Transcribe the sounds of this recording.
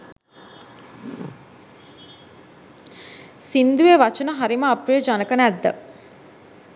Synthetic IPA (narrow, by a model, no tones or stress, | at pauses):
sind̪ueʋat͡ʃənəɦaɾiməapɾəjəd͡ʒanəkənəæd̪ːə̰